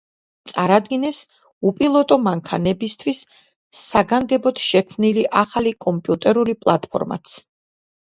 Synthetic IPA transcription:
t̪sʼaɾad̪ɡinɛs | upʼilˠɔt̪ʼɔmaŋkʰanɛbist̪ʰwisː | aɡaŋɡɛbɔt̪ʰʃɛkʰmniliʔaχalikʼɔmpʼjut̪ʼɛɾulipʼlˠat̪ʼpʰɔ̰ɾma̰t̪sʰ

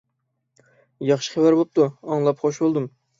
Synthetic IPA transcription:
jɑχʃi̥χævæɾbop̚t̪uɑŋlˠɑpχoʃbolˠd̪um

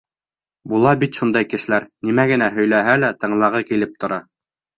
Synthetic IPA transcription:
bulˠɑbit̪ʃund̪ɑjkɘ̆ʃɘ̆læɾnimæɡɘ̆næɦɵ̆jlæɦælæt̪ɤ̆ɴlˠɑʁɤkilɘp̚t̪ŏɾɑ

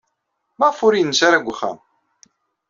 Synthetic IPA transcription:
mæʁfʊɾijənːsaɾaɡʷχæ̰m

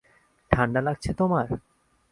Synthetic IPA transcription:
ʈʰaɳɖalaɡt͡ɕʰet̪omaɾ

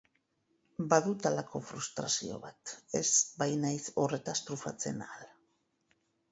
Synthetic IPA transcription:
baðut̪alakʰo̞fɾust̪ɾasio̞̰βat̪e̞zbajnajso̞re̞t̪ast̪ɾufa̰t͡se̞̰nala

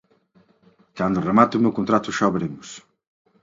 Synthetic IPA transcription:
kand̪ʊremat̪ʊmewkont̪ɾat̪ʊʃaβeɾemʊs

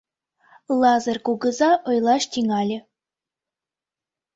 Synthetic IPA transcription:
lˠɑzɤrkuɡə̆zɑʔɤ̆jlˠɑʃt̪ʲiŋɑlʲɘ̆

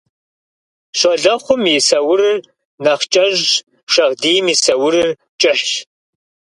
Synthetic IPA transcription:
ɕʷɐɮɐχʷʊmjisɐwʊɾɨr | nɐχt͡ʃʼɐʒ | ʃɐʁdiːjmiːsɐwʊɾɨr | t͡ʃʼɪħɕ

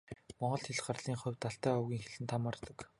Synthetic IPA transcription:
mɔɴɢɞ̆ɮt̪ʰeɮɢarɮiːŋχʊwʲt̪aɬt̪æːɔwɣʲiːŋxeɮɘ̆nt̪ʰamart̪ə̆k

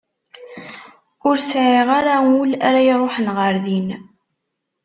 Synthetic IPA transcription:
ʊɾsʕeʁaɾaulaɾajɾˤoħnʁəɾðin

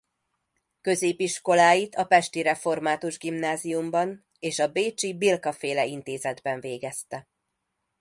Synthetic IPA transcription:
kø̞zeːpiʃko̞laːjit̪ʰɒpɛʃt̪iɾɛfo̞rmaːt̪uʒɡimnaːzijumbɒn | eːʃɒbeːt͡ʃibilkɒfeːlɛint̪eːzɛd̪bɛɱveːɡɛst̪ɛ

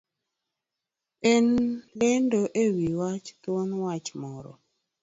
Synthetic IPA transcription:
enlendoʔewiwat͡ʃkwɔnwat͡ʃmɔɾɔ̰

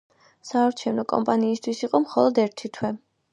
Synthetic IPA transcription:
saːɾt͡ʃʰɛvnɔkʼɔ̰mpʼaniːst̪ʰwisiqʼɔmχɔlˠɔd̪ɛɾt̪ʰit̪ʰwɛ

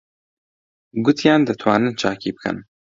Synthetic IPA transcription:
ɡʊt̪ʰjaːnd̪ɨt̪ʰwɑːnɨnt͡ʃʰaːkibɨkʰɨ̰n

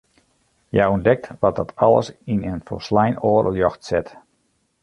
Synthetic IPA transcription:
jɛjɔndɛk̚tʋɔt̚dɔtʰɔlˠə̰sinənfɔ̰slɛjnoːəɾə̰ljɔxtsɪt

